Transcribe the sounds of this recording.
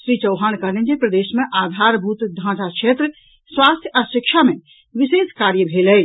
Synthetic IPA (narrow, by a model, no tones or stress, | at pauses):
sɾit͡ʃəʊɦankənend͡ʒepɾəd̪esmeʔad̪ʱaɾbʱut̪d̪ʱãsakʃet̪ɾə | sʋast̪ʰjəasikʃʰame | ʋiseskaɾjəbʱeləl